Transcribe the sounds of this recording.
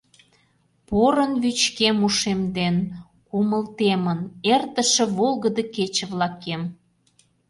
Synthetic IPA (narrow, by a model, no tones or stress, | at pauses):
poɾə̆nβyt͡ɕkemuʃemd̪en | kuməlt̪emənert̪ə̆ʃə̆βolɣə̆d̪əket͡ɕə̆βlɑkem